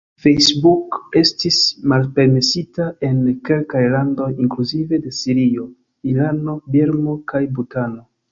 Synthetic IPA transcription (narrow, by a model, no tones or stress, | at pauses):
fejsbuke̞stismalpe̞ɾme̞sitae̞nke̞lkajlando̞jiŋkluzive̞de̞siɾio̞ | ilano̞beɾmo̞kajbutano̞